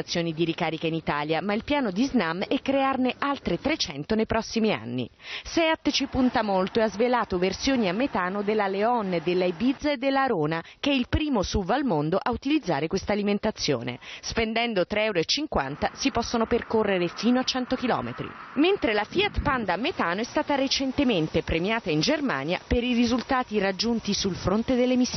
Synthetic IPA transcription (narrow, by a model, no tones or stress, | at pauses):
at̪sːjoːnid̪iɾikaːɾikainit̪aːljamailpjaːnod̪iznamɛkːɾearneʔalt̪ɾet̪ɾet͡ʃɛnt̪onejpɾɔsːimia̰nːḭsɛat̪ːt͡ʃipunt̪amolt̪oeazvelaːt̪oversjoːniamːet̪aːnod̪elːaleɔnd̪elːaebid̪zed̪ːelːaɾoːnak̟ɛilpɾiːmosuvalmond̪oʔaut̪ilid̪zːa̰ːɾekwest̪aːliment̪at̪sːjo̰ːnḛspend̪ɛnd̪ot̪ɾɛwɾoet͡ʃːiŋkwa̰nt̪asipɔsːonoperkorːeɾefiːnoat͡ʃːɛnt̪ok̟ilɔ̰ːmḛt̪ɾḭment̪ɾelafiat̪pand̪aamːet̪aːnoɛst̪aːt̪aɾet͡ʃent̪ement̪epɾemjaːt̪aind͡ʒerma̰ːnja̰peɾirizult̪aːt̪irad͡ʒːunt̪isulfɾont̪ed̪elːemisː